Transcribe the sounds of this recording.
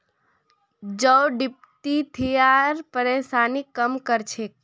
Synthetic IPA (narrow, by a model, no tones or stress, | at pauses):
d͡ʒəwɖip̚t̪it̪ʰijaɾpəɾesanikəmkəɾt͡ʃʰe